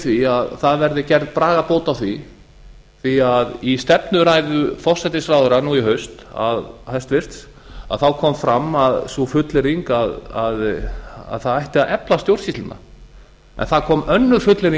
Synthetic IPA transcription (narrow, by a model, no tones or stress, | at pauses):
θviaðθaðvɛɾðɪcɛɾðpɾaːɣapoːwt̪awθvi | θiaðist̪ɛpnʏɾaːjðʏfɔr̥sɛt̪ːɪsraːwðʏɾanuiɦœɥst̪a̰ðhast̪vɪr̥t̪s | a̰ðθawkʰɔːmfɾamːaðsɔfʏt̪lɪɾiŋkaðaða̰ðθaðajht̪ɪaðʔɛplast̪jowɾ̥sit̪lɪna̰ | ɛ̰nθakʰɔːmœnːʏɾ̥fʏt̪lɪɾi